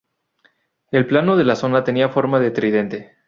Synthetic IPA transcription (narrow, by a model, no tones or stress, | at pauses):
e̞lplano̞ð̞e̞laso̞nat̪e̞niafo̞ɾmaðet̪ɾiðe̞nt̪e̞